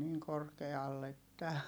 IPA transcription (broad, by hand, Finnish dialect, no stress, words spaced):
niːŋ korkeɑlː etːæ